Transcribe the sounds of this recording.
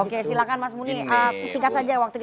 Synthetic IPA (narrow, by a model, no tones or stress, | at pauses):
okesilakanmasmuniəsiŋkat̪̚sad͡ʒawak̚t̪uk